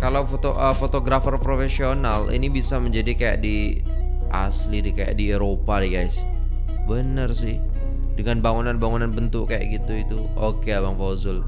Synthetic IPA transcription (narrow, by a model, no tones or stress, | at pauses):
kalawfot̪oʔəfot̪oɡɾafərpɾofesionalḭnibisaməɲd͡ʒadikaja̰ʔdi | ʔa̰slidikaja̰ʔdieɾopadɛɡajs | bənərsɪh | dəŋanbaŋunanbaŋunanbənt̪ʊkkaja̰ʔɡit̪uit̪u | ʔokeabaŋfozʊl